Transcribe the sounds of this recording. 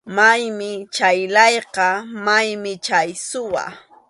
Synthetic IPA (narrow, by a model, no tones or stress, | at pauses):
majmɪt͡ʃajlɑjqɑmajmɪt͡ʃajsʊwa̰